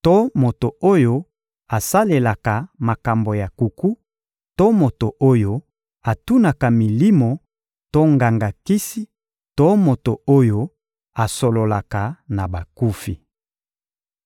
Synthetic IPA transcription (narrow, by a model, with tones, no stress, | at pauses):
to˦mo˨to˨o˦jo˦ | a˨sa˦le˨la˨ka˨ma˨ka˨mbo˨ja˨ku˨ku˦ | to˦mo˨to˨ʔo˦jo˦ | a˨tu˦na˨ka˨mi˨li˦mo˨ | to˦ŋɡa˨ŋɡa˨ki˦si˦ | to˦mo˨to˨o˦jo˦ | a˨so˨lo˨la˨ka˨na˨ba˨ku˦fi˨